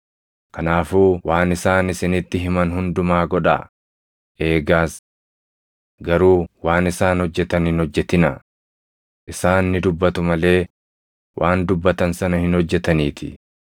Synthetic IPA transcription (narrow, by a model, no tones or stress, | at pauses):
kɐnaːfuːwaːnɪsaːnɪsɪnɪt̪ːɪɦɪmɐnɦʊnd̪ʊmaːɡɔᶑa̰ | ʔe̞ːɡaːs | ɡɐɾuːwaːnɪsaːnhɔd͡ʒːɛt̪ɐnɪnhɔd͡ʒːɛt̪ɪnɐ | ʔɪsaːnːɪd̪ʊbːɐt̪ʊmɐle̞ː | wʔaːnd̪ʊbːɐt̪ɐnsɐnɐhɪnhɔd͡ʒːɛt̪ɐniːt̪ʰɪ̰